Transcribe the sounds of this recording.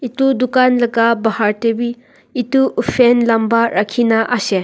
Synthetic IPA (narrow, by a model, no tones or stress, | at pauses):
itudukanlɐɡabahaɾtebiː | tuʔːpʰenlambaɾakʰinaʔase